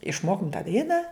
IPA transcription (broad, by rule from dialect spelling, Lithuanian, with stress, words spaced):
ɪʃˈmoːkʊm tɑː ˈdɐɪnɑː